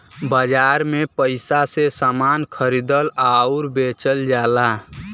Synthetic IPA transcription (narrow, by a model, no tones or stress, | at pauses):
bəd͡ʒaɾmepəɪsasesamaːnkʰəɾid̪əlauɾbet͡ʃəld͡ʒaːla